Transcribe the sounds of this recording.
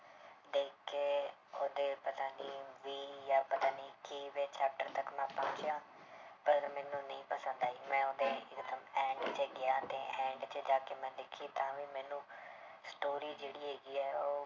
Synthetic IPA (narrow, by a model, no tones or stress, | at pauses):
d̪eːkeːod̪eːpɐt̪aːndiʋiːjaːpɐt̪ãːiːkiːʋeːt͡ʃɛːp̚ʈəɾt̪əkmɛ̃ːpãːt͡ʃjãː | pəɾɐɡəɾmɛ̃ːnũːnɐɦĩːpəsə̃nd̪aːiːmɛ̃ːʊd̪eɪkd̪əmɛ̃ːɳɖt͡ʃeɡɪjaːt̪ẽːʔɛ̃ːɳɖt͡ʃeːd͡ʒaːkemɛ̃ːlɪkʰit̪ãːʋiːmɛ̃ːnũːsʈoːɾiːd͡ʒeːɽieːɡiːɛːoː